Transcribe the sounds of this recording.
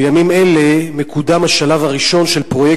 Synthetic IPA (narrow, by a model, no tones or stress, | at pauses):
jamimelemekud̪amaʃalavaʁiʃo̞nʃelpʁo̞je